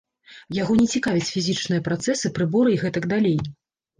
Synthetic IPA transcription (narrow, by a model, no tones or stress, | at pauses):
jaɣɔnʲɛt͡sʲikavʲit͡sʲfʲizʲit͡ʂnɨjɐpɾat̪sɛsɨpɾɨbɔɾɨiɣɛt̪ɐɡd̪alʲej